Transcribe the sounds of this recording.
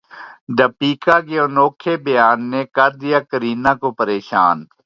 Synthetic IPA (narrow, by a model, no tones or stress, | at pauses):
d̪əpiːkaːkeonoːkʰebɐjaːnːekəɾd̪ɪjaːkəɾiːnãːkopəɾeːʃa̰ːn